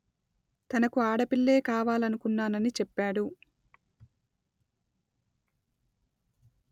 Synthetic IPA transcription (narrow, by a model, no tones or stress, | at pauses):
t̪ɐnɐkuaːɽɐpiɭːe̞ːkaːʋaːlɐnukunːaːnɐnit͡ʃɛpːaːɽu